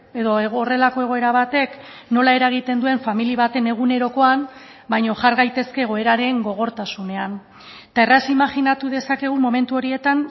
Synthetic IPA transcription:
e̞ðo̞eɣːre̞lako̞e̞ɣ̞o̞e̞ɾaβ̞at̪e̞k | no̞lae̞ɾaɣ̞it̪e̞nd̪ue̞ɱfamiliβat̪e̞ne̞ɣ̞une̞ɾo̞ko̞am | bajɲo̞ʝaɾɣajt̪e̞ske̞ɣ̞o̞e̞ɾaɾe̞ŋɡo̞ɣ̞o̞ɾt̪asune̞an | t̪aerasimaʝinat̪uð̞e̞sake̞ɣ̞umo̞me̞nt̪uo̞ɾie̞t̪an

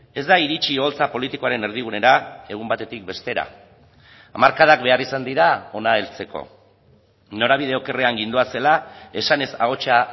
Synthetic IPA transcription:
e̞zd̪aiɾit͡ʃio̞lt͡sapo̞lit̪iko̞aɾe̞ne̞ɾð̞iɣ̞une̞ɾae̞ɣ̞umbat̪e̞t̪ik̚be̞st̪e̞ɾa̰ː | maɾkaðak̚be̞arisand̪iɾao̞nae̞lt͡se̞ko̞̰ | no̞ɾaβið̞e̞o̞ke̞re̞aŋɡind̪uase̞lae̞sane̞sa̰ɣo̞t͡ʃa

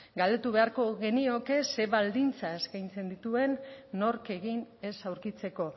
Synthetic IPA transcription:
ɡald̪e̞t̪uβe̞aɾko̞ɣe̞nio̞ke̞se̞βald̪int͡sae̞skajnt͡se̞nd̪it̪ue̞nːo̞ɾke̞ɣine̞sawɾkit͡se̞ko̞

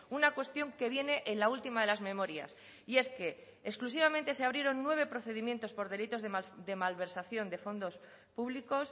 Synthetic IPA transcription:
unakwe̞st̪jo̞ŋke̞β̞je̞ne̞ʔenlault̪imaðe̞lazmẽ̞mo̞ɾja̰s | ie̞ske̞ː | sklus̬iβamẽnt̪e̞se̞aβɾje̞ɾo̞nːwe̞β̞e̞pɾo̞θe̞ðimje̞nt̪o̞spo̞ɾðe̞lit̪o̞zðed̪e̞malβe̞ɾsaθjo̞nd̪e̞fo̞nd̪o̞s | puβliko̞s

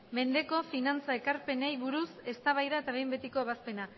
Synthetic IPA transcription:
me̞nd̪e̞ko̞finant͡sae̞kaɾpe̞ne̞jβuɾuse̞st̪aβajɾae̞t̪aβejmbe̞t̪iko̞eβ̞aspe̞na

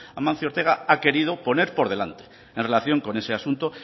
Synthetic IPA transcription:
amãn̟θjoɾt̪e̞ɣ̞aake̞ɾið̞opo̞ne̞ɾpo̞ɾð̞e̞lant̪e̥ | enre̞laθjo̞ŋko̞ne̞seasunt̪o

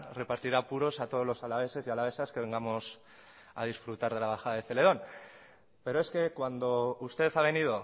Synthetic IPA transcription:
re̞paɾt̪iɾapuɾo̞sat̪o̞ð̞o̞zlo̞salaβ̞e̞se̞zialaβe̞saske̞βe̞ŋɡamo̞s | a̰ð̞isfɾut̪aɾð̞e̞laβ̞axaðaðe̞θe̞le̞ð̞o̞n | pe̞ɾo̞eske̞kwand̪o̞ust̪e̞θaβ̞e̞nið̞o̞

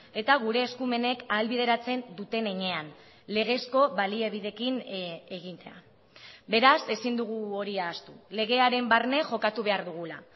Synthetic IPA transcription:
e̞t̪aɣuɾe̞ːskume̞ne̞kalβið̞e̞ɾat͡se̞nd̪ut̪e̞ne̞ɲe̞an | le̞ɣe̞sko̞βalieβiðe̞kineɣint̪e̞a̰ | be̞ɾase̞sind̪uɣ̞uo̞ɾiaːst̪ule̞ɣ̞e̞aɾe̞mbarne̞ʝo̞kat̪uβe̞aɾðuɣ̞ula

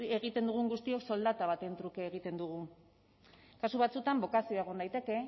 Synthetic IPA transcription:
e̞ɣ̞it̪e̞nd̪uɣ̞uŋɡust̪io̞kso̞ld̪at̪aβat̪e̞nt̪ɾukeːɣ̞it̪e̞nd̪uɣ̞u | kasuβat͡sut̪ambo̞kasio̞eɣ̞o̞nd̪ajt̪e̞ke̞

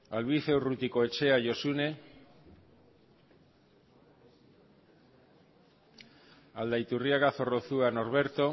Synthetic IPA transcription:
alβiθewrut̪ikoet͡ʃeaʝo̞sune̞ | ald̪ajt̪urjaɣaθo̞roθuano̞ɾβe̞ɾt̪o̞

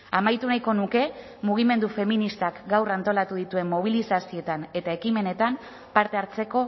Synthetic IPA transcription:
amajt̪unajko̞nuke̞ | muɣ̞ime̞nd̪ufe̞minist̪akɡawrant̪o̞lat̪uðit̪ue̞mːo̞β̞ilisasio̞t̪ane̞t̪ae̞kime̞ne̞t̪am | paɾt̪e̞aɾt͡se̞ko̞

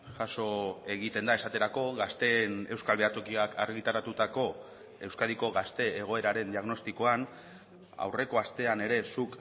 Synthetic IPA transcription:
ʝaso̞e̞ɣit̪e̞nd̪ae̞sat̪e̞ɾako̞ɣast̪e̞ne̞wskalβeat͡s̪o̞kiakaɾɣit̪aɾat̪ut̪ako̞ | e̞wskaðiko̞ɣast̪e̞ːɣ̞o̞e̞ɾaɾe̞nd̪iaɣno̞st̪iko̞an | a̰wre̞ko̞ast̪e̞ane̞ɾe̞suk

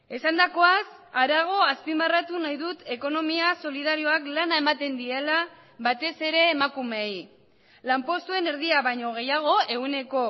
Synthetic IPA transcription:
e̞sand̪ako̞asaɾaɣ̞o̞aspimarat̪unajðut̪e̞ko̞no̞miaso̞liðaɾio̞aklanaemat̪e̞nd̪ie̞la | βat̪e̞se̞ɾe̞ːmakume̞j | lampo̞st̪ue̞ne̞ɾðiaβajɲo̞ɣ̞e̞jaɣ̞o̞e̞ɣune̞ko̞

